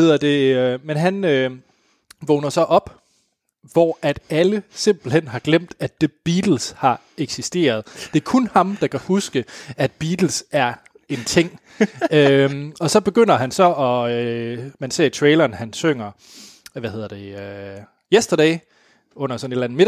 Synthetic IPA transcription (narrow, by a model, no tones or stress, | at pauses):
e̝ð̰ˠɐd̥e̝ømenɦænø | ʋɔnɐsɒ̽ʔɒ̽b̥ | ʋɒæd̥æləse̝m̰b̥l̩hen̰ɦɑ̈ɡ̥lem̰d̥æd̥əb̥iːd̥l̩shɑ̈ | eɡ̥sisd̥e̝̰ːɐð̞ˠd̥e̝ɐkʰɔnhɑ̈md̥ɑ̈kʰæhusɡ̥əæd̥b̥iːd̥l̩sæɐ | e̝nt͡sʰe̝ŋ̰ | øɒ̽sɒ̽b̥e̝ɡ̥øn̰ɐɦænsɒ̽ɒ̽ømænse̝̰ɐ̰it͡sʰʁeːlɐːnhænsøŋ̰ɐ | ʋæhe̝ðˠɐd̥e̝ø | jesd̥ɐɾ̥ɛɪ | ɔ̽n̰ɐsɒ̽ne̝d̥læn̩me̝ɾ